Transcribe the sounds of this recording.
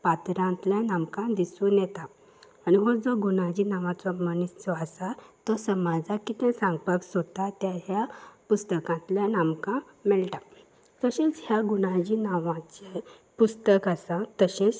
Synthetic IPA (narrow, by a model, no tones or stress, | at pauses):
pat̪ɾãnt̪ljanamkãd̪isũːnjɛt̪aː | ɽiɦod͡zɔɡunãd͡ʑiːnaʋãt͡sɔmənist͡sɔasat̪ɔsəmad͡zakit̪ɛ̃sãŋɡpaksot̪at̪jaɦjapust̪əkãnt̪ljanamkã | mɛɭʈa | t̪əɕẽt͡sɦjaɡunãd͡ʑiːnaʋãt͡ɕe | pust̪əkasat̪əɕẽt͡s